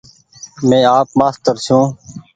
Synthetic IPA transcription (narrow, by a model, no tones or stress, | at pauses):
mẽːaːpmaːst̪əɾsũː